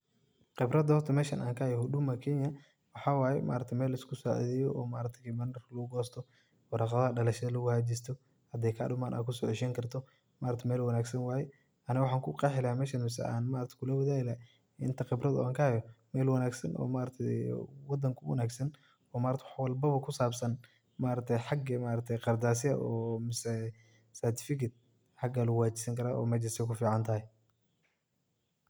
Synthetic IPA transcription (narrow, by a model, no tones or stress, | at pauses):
qɪbrɐd̪hɔrt̪ʰɐmɛːʃɐnʔa̰ːŋkʰɐhɐjɔɦʊɖʊmɐkʰɛːɲɐ | wɑħɑːwaːjɛmʔa̰ːɾɐt̪ʰɛmɛːlɪskʰʊsa̰ʕ̰ðɛjɔʔɔːmaːɾɐt̪ʰɛkmɐnɐrlɐɣʊɡɔːst̪ʰɔ | ɔrɑqɑðɐɐɖɐlɐʃɐðɐlɐɣʊhad͡ʒist̪ʰɔ | hɐd̪ɛːjkʰɐ̰ɗʊmaːnʔa̰ːkʰʊsɔːʕɪʃɛːŋkʰɐrt̪ʰɔ | maːɾɐt̪ʰɛmɛːlwɐnaːɡsɐnwɑːjɛ | ɐnɪwʊħɑːŋkʰʊqɑħɪlaːmɛːʃɐnmɪsɛ̰aːnmaːɾɐt̪ʰkʰʊlɐwɐðaːɪla | ɪ̰nt̪ʰɐqɪbɾɐðɔ̰ʔaːŋkʰɐhɛjɔmɛːlwɐnaːɡsɐnʔɔ̰ːmaːɾɐt̪ʰɛjwɑd̪ɐŋkʰʊwɐ̰naːɡsɐn | ɔːmaːɾɐt̪ʰɛwħwɑlbɐβɐkʰʊsaːbsɐn | maːɾɐt̪ʰɛjħɑɡɐmaːɾɐt̪ʰɛjqɑrd̪aːs̬ɪɐ̰ʔɔːmɪsɛ | sɛrt̪ʰɪ̥fɪkʰɐt̪̚ | ħɑɡalʊwaːt͡ʃɪ̥sɐŋkʰɐɾaʔɔ̰ːmɐt͡ʃɪsɛkʰʊfiːʕɑnt̪ʰɐɦɛ